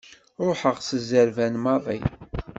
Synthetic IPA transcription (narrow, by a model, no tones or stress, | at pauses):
ɾˤoħəʁsəzəɾvænmɑðˤḭ